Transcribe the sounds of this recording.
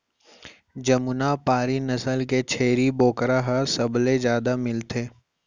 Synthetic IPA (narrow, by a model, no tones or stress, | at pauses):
d͡ʒɐmʊnapaːɾinɐsəlket͡ʃʰeːɾiboːkɾaɦɐsɐblezjaːd̪amɪlt̪ʰeː